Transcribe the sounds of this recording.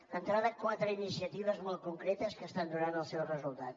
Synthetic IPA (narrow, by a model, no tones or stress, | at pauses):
ənt̪ɾaðəkwat̪ɾəinisiət̪iβəzmɔlˠt̪̚kuŋkɾɛt̪əskəst̪and̪uɾanəlˠsɛwrəzulˠt̪a̰t̪